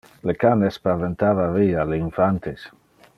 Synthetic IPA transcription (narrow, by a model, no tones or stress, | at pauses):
lekanespaɾvent̪avavialeinfant̪es